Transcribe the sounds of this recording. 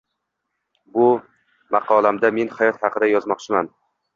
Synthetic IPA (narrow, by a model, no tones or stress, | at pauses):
bʊ | mɑqʰɒlˠamd̪ame̞nhajɒt̪hɑqʰɨd̪ajɒzmɒqt͡ʃʰɪman